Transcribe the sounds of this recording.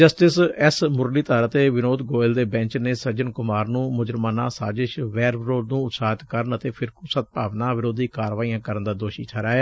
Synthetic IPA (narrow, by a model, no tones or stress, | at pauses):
d͡ʒəsʈɪsɛsmʊɾliːt̪aːɾət̪eːʋɪnoːd̪ɡoːɪld̪eːbɛ̃ːɲt͡ʃneːsəd͡ʒənkʊmaːɾnũːmʊd͡ʒəɾmaːna̰ːsaːd͡ʒɪʃʋɛːɾʋɪɾoːd̪nũːʊt̪saːɦt̪kəɾənət̪eːpʰɪɾkusət̪̚paːʋnaːʋɪɾoːd̪iːkaːɾʋaːiːãːkəɾənd̪aːd̪oːʃḭːtʰaːɾaːeː